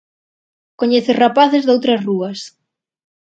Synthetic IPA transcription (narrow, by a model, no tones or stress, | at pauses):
koɲɛθerapaθezðowt̪ɾɐsruɐs